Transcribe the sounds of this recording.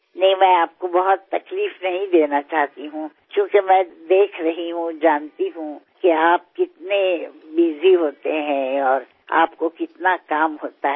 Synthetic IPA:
nɐɦĩmɛ̃ːaːp̚kobɐɦʊt̪ːɐkliːfnɐɦĩd̪eːnat͡ʃaːɦt̪iɦũ | kjõːkemɛ̃ːd̪eːkʰɾɐɦiɦũd͡ʒaːnt̪iɦũkeaːp̚kɪt̪nebiːziɦoːt̪eɦɛ̃ɔːɾ | a̰ːpkokɪt̪nakaːmɦoːt̪aɦ

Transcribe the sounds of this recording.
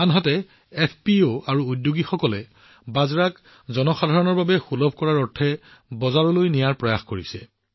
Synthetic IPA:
anɦɔtɛ | ɛpʰpioaɹuudjoɡixɔkɔlɛ | bazɹak | zɔnɔxadʱaɹɔnɔɹbabɛxulɔb̚ʱkɔɹaɹɔɹtʰɛ | bɔzaɹɔlojnijaɹpɹɔjaxkoɹisɛ

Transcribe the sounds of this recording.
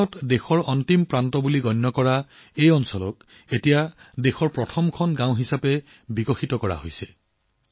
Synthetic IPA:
ɔtdexɔɹɔntimpɹantɔbuliɡɔnːɔkɔɹa | ejɔnsɔlɔk̚ | etijadexɔɹpɹɔtʰɔmkʰɔnɡãw̃ɦisapɛ | bikɔxitɔkɔɹa̰ɦojsɛ

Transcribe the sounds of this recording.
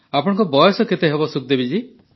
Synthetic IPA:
apɔɽ̃ɔ̃ŋkɔbɔjɔsɔket̪eɦebɔsuk̚d̪ebid͡ʒi

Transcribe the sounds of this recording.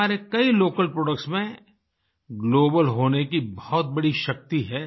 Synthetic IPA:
aːɾekɐiloːkəlpɾoːɖək̚ʈsmẽ | ɡloːbəlɦoːnekibɐɦɔt̪̚bɐɽiʃɐk̚t̪iɦɛː

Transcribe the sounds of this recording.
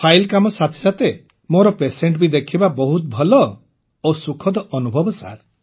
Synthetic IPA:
pʰajlkamɔsat̪ʰi̥sat̪e | moɾɔpeseɳʈbid̪ekʰibabɔɦut̪̚bʱɔlɔ | osukʰɔd̪ɔʔɔnubʱɔbɔsa̰ɾ

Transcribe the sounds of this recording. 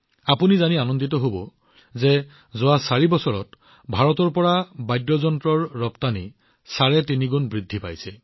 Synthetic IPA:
apunizanianɔnditɔɦobɔ | zɛ | zʊwasaɹibɔsɔɹɔ̰t | bʱaɹɔtɔɹpɔɹabajdɹɔzɔntɹɔɹːɔptani | saɹɛtiniɡunbɹidʱːipa̰jsɛ

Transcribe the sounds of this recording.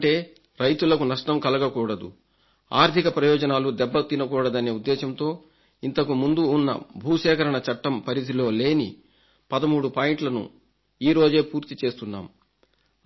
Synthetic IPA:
ɐʈe̞ː | ɾɐjt̪ulɐkunɐʂʈɐmkɐlɐɡɐkuːɽɐd̪ṵ | a̰ːɾt̪ʰikɐpɾɐjɔːd͡ʒɐnaːlud̪ɛbːɐt̪ːinɐkuːɽɐd̪ɐneːud̪ːɛːʃɐmt̪o̞ː | int̪ɐkumund̪uːnːɐ̰bʱuːʃɛːkɐɾɐɳɐt͡ʃɐʈːɐmpɐɾisilo̞ːle̞ːnḭ | pɐd̪ɐmuːɽupaːjiɳʈlɐnṵ | iːɾo̞ːd͡ʒe̞ːpuːɾt̪it͡ʃe̞ːst̪unːa̰ːm

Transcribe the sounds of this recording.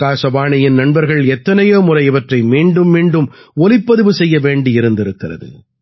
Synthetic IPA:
kaːsɐbaːɳɐjɪnnɐnbɐɾɣɐɭɛt̪ːɐnɐjoːmʊrɐɪɪʋɐʈrɐɪmiːɳɖɯmːiːɳɖɯmɔlɪpːɐðɯʋɯsɛjːɐʋeːɳɖɪɪɾɯnd̪ɪɾɯkːɪrɐ̰ðɯ̰

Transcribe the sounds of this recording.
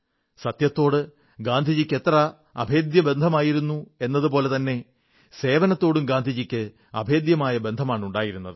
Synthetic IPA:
sɐt̪jɐt̪ːo̞ːɽɨ | ɡaːnd̪ʱid͡ʑikʲːe̞t̪rɐ | ɐ̰bʱe̞ːd̪jɐbe̞nd̪ʱɐmaːjiɾunːue̞nːɐðɨpo̞ːlet̪ɐnːe̞ | se̞ːʋɐnɐt̪ːo̞ːɽumɡaːnd̪ʱid͡ʑikʲːɨ | ɐ̰bʱe̞ːd̪jɐmaːjɐbe̞nd̪ʱɐmaːɳuɳɖaːjiɾunːɐ̰ðɨ

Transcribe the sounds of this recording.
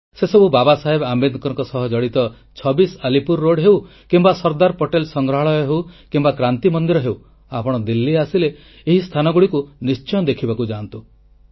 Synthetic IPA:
sesɔbubabasaɦebambed̪kɔɾŋkɔsɔɦɔd͡ʒɔɽit̪ɔ | t͡ʃʰɔbisalipuɾːoɖɦew | kimbasɔɾd̪aɾpoʈelsɔŋɡɾɔɦaɭɔjɔɦewkimbakɾant̪imɔnd̪iɾɔɦew | apɔɽ̃ɔd̪ilːiasileː | ɦist̪ʰanɔɡuɽikunist͡ʃɔnd̪ekʰibakud͡ʒant̪u

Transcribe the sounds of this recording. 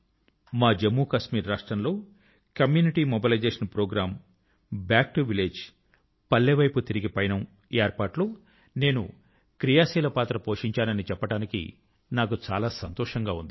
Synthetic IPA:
maːd͡ʒemːuːkɐʃmiːɾːaːʂʈɾɐnlo̞ː | kɐmjuːniʈiːmobilɐjd͡ʒeːʂɐnpɾoːɡɾaːm | bjaːk̚ʈuʋileːd͡ʒ | pɐlːeʋɐjput̪iɾiɡipɐjnɐm | eːjɾpaːʈloː | ne̞ːnṵ | kɾijaːsiːlɐpaːt̪ɾɐpoːʂiɲt͡ʃaːnɐnit͡ʃɛpːɐʈaːnikḭ | naːkut͡ʃaːlaːsɐnt̪ɔːʂɐŋɡaːund̪i

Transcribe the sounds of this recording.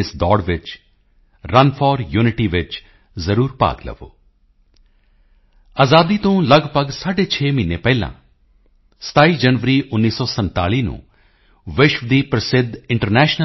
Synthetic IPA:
sd̪ɔːɽʋɪt͡ʃ | ɾɐnfʰɔːɾjuːnɪʈiʋɪt͡ʃ | zɐɾuːɾpa̰ːɡlə̰ʋo̰ː | aːzaːd̪it̪õlɐɡpəɡsaːɖet͡ʃʰeːminepɛɪlã̰ | st̪ʰaːid͡ʒɐnʋəɾiʊnːiːsɔːsɐ̃nt̪a̰ːliːnṵ̃ | ʋɪʃʋd̪ipɾɐsɪd̪ʱːɪ̃ɳʈəɾnɛːʃnə

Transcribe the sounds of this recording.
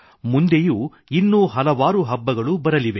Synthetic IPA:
mund̪ejuː | inːuːɦɐlɐʋaːɾuɦɐbːɐɡɐɭubɐɾɐliʋe̞

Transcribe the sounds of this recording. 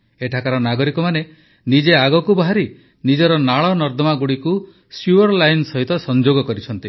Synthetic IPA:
eʈʰakaɾɔnaɡɔɾikɔmane | nid͡ʒeaɡɔkubaɦaɾi | nid͡ʒɔɾɔnaɭɔnɔɾd̪ɔmaɡuɽiku | suɔɾlajnsɔɦit̪ɔsɔnd͡ʒoɡɔkɔɾit͡ʃʰɔnt̪i

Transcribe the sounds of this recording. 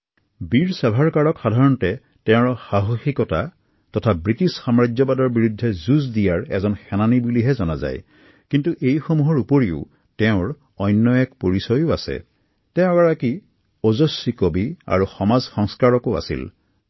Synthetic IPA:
biɹsabʱaɹkaɹɔkxadʱaɹɔntɛ | tɛʊ̃ɹxaɦoxikɔta̰ | tɔtʰabɹitisxamɹad͡ʒɔbadɔɹbiɹudʱːɛzuzdijaɹɛ̰zɔnxɛnanibuliɦɛzɔna̰za̰j | kintuʔejxomuɦɔɹupoɹiʊ̰ | tɛʊ̃ɹ | ɔjnːɔjɛkpoɹisɔjʊasɛ̰ | tɛʊ̃ɡaɹaki | ɔzɔsːikobia̰ɹuxɔmazxɔŋskaɹɔkoa̰sḭl

